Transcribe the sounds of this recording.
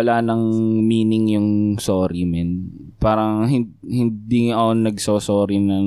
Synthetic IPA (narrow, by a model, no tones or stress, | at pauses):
ɐlaːnɐŋmiːnɪŋjʊŋsoːɾɪmɛn | paːɾɐŋɦɪn | hɪnd̪iɐʔonːɐɡsosoːɾɪnɐŋ